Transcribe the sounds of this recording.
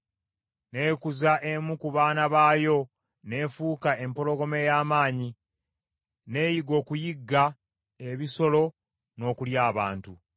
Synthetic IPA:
ne̞ːkuzaʔe̞mukuβaːnaβaːjo̞ | ne̞ːfuːkaʔe̞mpo̞lo̞ɡo̞me̞jaːmaːɲi | ne̞ːjiɡo̞ːkujiɡːa | e̞βiso̞lo̞ | no̞ːkuljaːβaːntu

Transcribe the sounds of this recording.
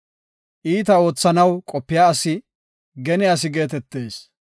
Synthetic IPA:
ʔiːt̪ɐo̞ːt͡sːɐnɐwkʼɔpːɪjaːɐsɪ | ɡɛnɪjas̬ɪɡe̞ːt̪ɛt̪ːe̞ːs

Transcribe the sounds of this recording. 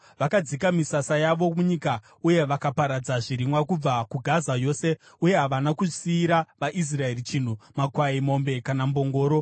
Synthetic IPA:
ʋakad͡zikamisasajaʋo̞muɲika | uje̞ʋakapaɾad͡zaʐiɾimwakub͡vakuɡʱazajo̞ːse̞ | uje̞ɦaʋanakuʐisiːɾaʋaʔis̬rae̞rit͡ʃin̤umakwaimo̞mbe̞kanambo̞ŋɡo̞ːɾo̞

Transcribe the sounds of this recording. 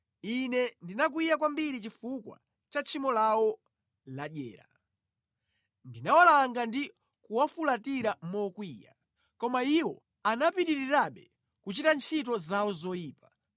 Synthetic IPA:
inɛndinak̬wijakwambiɾit͡ʃifukwa̰ | t͡ʃat͡ʃʰimɔlawɔ | laɗjɛ̰ːɾa̰ | ndinawalaŋɡandi | kuwafulatiɾamɔkwiːja̰ | kɔmaiwɔ̰ | anapiɾiɾiɾaɓɛ | kut͡ʃitant͡ʃʰit̬ɔzawɔzɔjiːpa

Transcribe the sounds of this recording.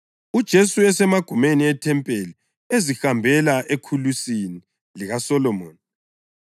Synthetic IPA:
ud̥ʒ̥ʱesuɛsɛmaɡ̥ʱumeniɛtʰɛmpʼeli | ezixambʱɛlaʔekʰulusini | liɣasɔlɔmɔːni

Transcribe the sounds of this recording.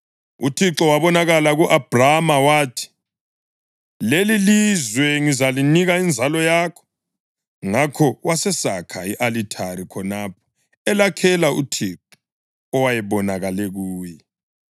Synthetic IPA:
utʰiǁɔwaβɔnaɣalaɣuʔab̥ʱramawaːtʰi̥ | lelilizwɛŋizaliniɣaind͡zʱalɔjakʰɔ̥ | ŋakʰɔwasɛsakʰaiʔalitʰaɾikʰɔnaːpʰɔ̥ | ɛlakʰɛlaṵtʰiǁɔ | ɔwajɛβɔnaɣalɛɣuːjɛ

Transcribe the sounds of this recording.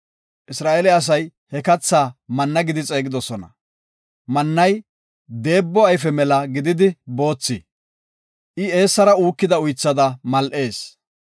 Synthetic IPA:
ʔɪsɾaːʔɛlɛɐs̬ɐjhɛkɐt͡sːaːmɐnːɐɡɪd̪ɪt͡sʼe̞ːɡɪd̪ɔsɔnɐ̰ | mɐnːɐj | d̪e̞ːbːɔɐjfɛmɛlɐɡɪd̪ɪd̪ɪbo̞ːt͡sːɪ | ʔɪe̞ːsːɐɾɐuːkːɪd̪ɐʊjt͡sːɐd̪ɐmɐlʔe̞ːs

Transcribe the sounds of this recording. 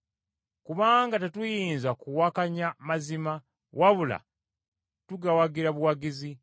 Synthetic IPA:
kuβaːŋɡatetujiːnzakuwakaɲamazima | wʔaβula̰ | tuɡawaɡiɾaβuwaɡizi

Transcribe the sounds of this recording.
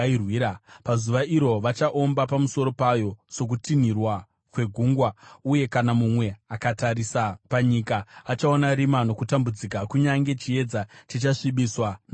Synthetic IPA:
rwiːɾapazuʋaʔiɾo̞ʋat͡ʃaʔo̞mbapamuso̞ɾo̞pajo̞so̞k̬utinirwa | kwe̞ɡʱuŋɡwauje̞kanamumwe̞akataɾisapaɲikaːt͡ʃao̞naɾimano̞kutambud͡zikakuɲaŋɡe̞t͡ʃie̞d͡zatit͡ʃaʂiɓiswan

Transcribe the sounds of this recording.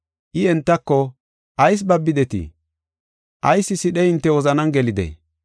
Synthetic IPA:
ʔɪɛnt̪ːɐkːɔ | ʔɐjs̬bɐbːɪd̪ɛt̪ɪ̰ | ʔɐjsːɪsɪɗɛɪnt̪ːɛwɔzɐnɐnɡɛlɪd̪ɛ̰

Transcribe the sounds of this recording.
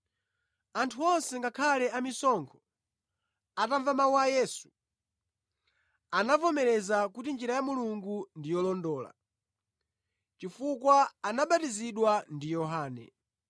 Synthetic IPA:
antʰuɔnsɛŋɡakʰalɛamisɔŋkʰɔ̥ | ataɱvamauajɛːsu̥ | anavɔmɛɾɛzakutind͡ʒiɾajamuluŋɡundijɔlɔndɔːla̰ | t͡ʃifukwaːnaɓatiziɗwandijɔɦaːnɛ̰

